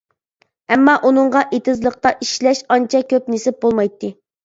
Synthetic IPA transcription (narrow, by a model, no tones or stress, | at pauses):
ɛmːɑʔunɨɴʁɑʔet̪ɪzlˠəq̚t̪ɑʔiʃlɛʃɑnt͡ʃʰɛkʲʰøpnesɪp̚bolˠmɑjt̪ʰːɨ